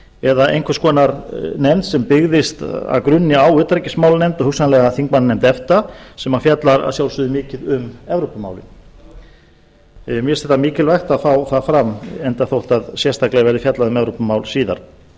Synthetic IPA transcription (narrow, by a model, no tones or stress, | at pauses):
ɛðaʔḛjŋkʰvaskɔːnaɾnɛnt̪sɛmpɪɣðɪst̪a̰ðkɾʏnːɪawʏːt̪ɾɛcɪsmaːwlnɛmt̪ɔhʏksanlɛɣaθiŋkmannɛmt̪ɛft̪asɛmafjat̪laɾa̰ðsjawlsʏðʏmɪːcɪðʏmɛvɾopama̰ːwlɪn | mjɛsθɛht̪ːamɪːcɪlvajxt̪aðfawθaðfɾamɛnt̪aθowht̪aðsjɛst̪ʰaklaɣvɛɾðɪfjat̪laðʏmɛvɾopamaːwlsiːða̰ɾ̥